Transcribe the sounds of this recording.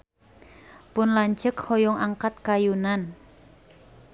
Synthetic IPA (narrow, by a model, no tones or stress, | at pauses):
pʊnlaɲt͡ʃəkhɔjɔŋaŋkat̪̚kajunan